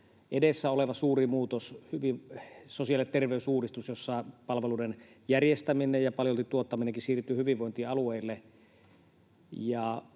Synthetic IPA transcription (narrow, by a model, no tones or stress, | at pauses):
ʔedesːæoleʋɑsuːrimuːt̪oshyʋisosiɑlet̪t̪erʋeysuːrist̪usjosːɑˑpɑlʋeluːden | jærjest̪æminejjɑpɑljolt̪it̪uot̪ːɑmineŋkisiːrt̪ˑːyhyʋiʋʋoˑint̪iːɑlueˑilːe | jɑ